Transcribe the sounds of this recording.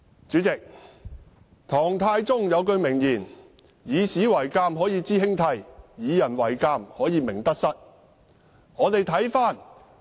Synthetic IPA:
t͡ʃyː˨˥t͡sɪ˨k̚ | t̪ʰɔː˨˩ŋt̪ʰaː˧jt͡sʊ˥ŋjɐ˨˧wkɵ˧ɥmɪ˨˩ŋjiː˨˩n | jiː˨˧siː˨˥wɐ˨˩jkaː˧mɦɔː˨˥jiː˨˧t͡siː˥hɪ˥ŋt̪ʰɐ˧jjiː˨˧jɐ˨˩nwɐ˨˩jkaː˧mhɔː˨˥jiː˨˧mɪ˨˩ŋt̪ɐ˥k̚sɐ˥t̚ | ŋɔː˨˧t̪e˨jt̪ʰɐ˨˥jfaː˥n

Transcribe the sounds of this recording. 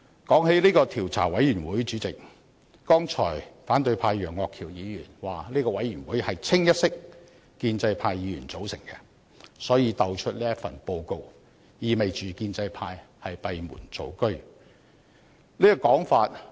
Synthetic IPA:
kɔː˨˥ŋhe˨˥jliː˥kɔː˧t̪ʰiː˨˩wt͡sʰa̰ː˨˩wɐ˨˥jjyː˨˩nwuː˨˥jt͡ʃyː˨˥t͡sɪ˨k̚ | kɔː˥ŋt͡ʃʰɔ̰ː˨˩jfaː˨˥nt̪ɵ˧ɥpʰaː˧jjœː˨˩ŋːɔː˨˧kʰːiː˨˩wjiː˨˧jyː˨˩nwaː˨˩liː˥kɔː˧wɐ˨˥jɥy˨˩nwuː˨˥jhɐ˨jt͡sʰɪ˥ŋjɐ˥t̚sɪ˥k̚ | kiː˧nt͡sɐ˧jpʰaː˧jːiː˨˧jy̰ː˨˩nt͡so˨˥wsɪ˨˩ŋkɛ̰˧ | sɔː˨˥jiː˨˧t̪ɐ˨˧wt͡ʃʰɵ˥t̚liː˥jɐ˥tfɐ̰˨˩npo˧wko˧w | jiː˨˧me˨jt͡ʃyː˨kiː˧nt͡sɐ˧jpʰaː˧jhɐ˨jpɐ˨˧jmṵː˨˩nt͡so̰˨˧wkɵ˥ɥ | liː˥kɔː˧kɔː˨˥ŋfaː˧t̚

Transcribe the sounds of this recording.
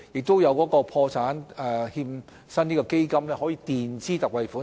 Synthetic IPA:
jɪ˨k̚t̪o˥wjɐ˨˧wkɔː˨˥kɔː˧pʰɔː˧t͡sʰaː˨˥nɛ˨hiː˧m | sɐ˥niː˥kɔː˧ke˥jkɐ˥mlɛː˥ɦɔː˨˥jiː˨˧t̪iː˨nt͡siː˥t̪ɐ˨k̚wɐ˨˧jfuː˨˥

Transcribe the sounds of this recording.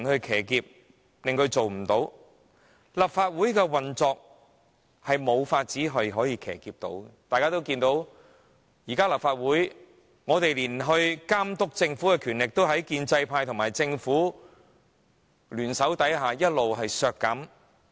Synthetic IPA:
nhɵ˧ɥkʰɛː˨˩kiː˧p̚ | lɪ˨˩ŋk̪ɵ˧ɥt͡so˨wm̩˨˩t̪o˨˥w | lɐ˨p̚faː˧t̚wuː˨˥jkɛː˧wɐ˨nt͡sɔː˧k̚ | hɐ˨jmo˨˧wfaː˧t̚t͡siː˨˥ɦɐ˨jɦɔː˨˥jiː˧kʰɛ̰ː˨˩kiː˧p̚t̪o̰˨˥wt̪aː˨jkaː˥t̪o˥wkiː˧nt̪o˨˥w | jiː˨˩kaː˥lɐ˨p̚faː˧t̚wuː˨˥j | ŋɔː˨˧t̪e˨jliː˨˩nɦɵ˧ɥkaː˥mt̪ʊ˥k̚t͡sɪ˧ŋfu˨˥kɛː˧kʰy˨˩nlɪ˨k̚t̪o˥wɦɐ˨˥jkiː˧nt͡sɐ˧jpʰaː˧jt̪ʰʊ˨˩ŋmaː˨˩jt͡sɪ˧ŋfuː˨˥ | lyː˨˩nsɐ˨˥wt̪ɐ˨˥jɦaː˨jɐ˥t̚lo˨wɦɐ˨jsœː˨˧kːɐ˨˥m

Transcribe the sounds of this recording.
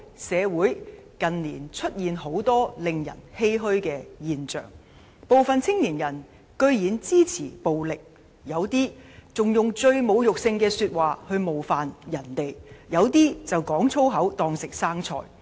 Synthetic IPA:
sɛː˨˧wuː˨˥jkɐ˨nliː˨˩nt͡ʃʰɵ˥t̚jiː˨nɦo˨˥wt̪ɔː˥lɪ˨ŋjɐ̰˨˩nhe˥jɦɵ˥ɥkɛː˧jiː˨nt͡ʃœ̰ː˨˩ŋ | po˨wfɐ˨nt͡sʰɪ˥ŋliː˨˩njɐ˨˩n | kɵ˧ɥjiː˨˥nt͡siː˥t͡sʰḭː˨˩po˨wlɪ˨k̚ | jɐ˨˧wt̪iː˥t͡sʊ˨ŋjʊ˨ŋt͡ʃɵ˧ɥmo˨˧wjʊ˨k̚sɪ˧ŋkɛː˧syː˧t̚waː˨˩hɵ˧ɥmo˨wfaː˨njɐ˨˩nt̪e˨jjɐ˨˧wt̪iː˥t͡sɐ˨wkɔː˨˥ŋt͡sʰo˥wɦɐ˨˥wt̪ɔː˧ŋsɪ˨k̚saː˥ŋt͡sʰɔ̰ː˨˩j

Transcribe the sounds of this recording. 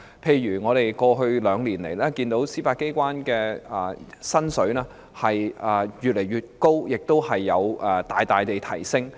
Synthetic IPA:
pʰe˧jːyː˨˩ŋɔː˨˧ɾe˨jkɔː˧ɦɵ˧ɥlœː˨˧ŋliː˨˩nle˨˩jlɛː˥kiː˧nt̪o˨˥wsiː˥paː˧t̚ke˥jkʷwaː˥nkɛː˧ɛ˨˧˩sɐ˥nsɵ˨˥ɥlɛː˥ | hɐ˨jɛ˨˧jyː˨t̚le˨˩jɥyː˨t̚ko˥wjɪ˨k̚t̪o˥whɐ˨jːɐ˨˧wʔɛː˨t̪aː˨jt̪aː˨jt̪e˨jt̪ʰɐ˨˩jsɪ˥ŋ

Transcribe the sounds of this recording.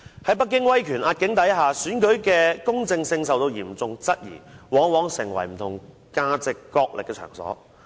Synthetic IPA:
hɐ˨˥jpɐ˥t̚k̬ːɪ˥ŋwɐ˥jkʰyː˨˩nʔaː˧t̚kɪ˨˥ŋt̪ɐ˨˥jɦaː˨syː˨˥nkɵ˨˥ɥkɛː˧kʊ˥ŋt͡sɪ˧ŋsɪ˧ŋsɐ˨wt̪o˧wjiː˨˩mt͡sʊ˨ŋt͡sɐ˥t̚jḭː˨˩wɔː˨˥ŋwɔː˨˥ŋsɪ˨˩ŋwɐ̰˨˩jm̩˨˩t̪ʰʊ˨˩ŋ | kaː˧t͡sɪ˨kːɔː˧k̚lʔɪ˨kːɛ˧t͡ʃʰœ̰ː˨˩ŋsɔ̰ː˨˥

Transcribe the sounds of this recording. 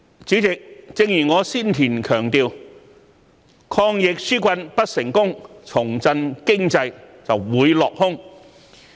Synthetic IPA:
t͡sy˨˥t͡sɪ˨k̚t͡sɪ˧ŋjyː˨˩ŋɔː˨˧siː˥nt̪ʰiː˨˩nkʰœː˨˩ŋt̪iː˧w | kʰɔː˧ŋjɪ˨k̚syː˥kʷɐ˧npɐ˥t̚sɪ˨˩ŋkʊ˥ŋt͡sʰʊ˨˩ŋt͡sɐ˧nkɪ˥ŋt͡sɐ˧jt͡sɐ˨wwuː˨˧jlɔː˨k̚hʊ˥ŋ

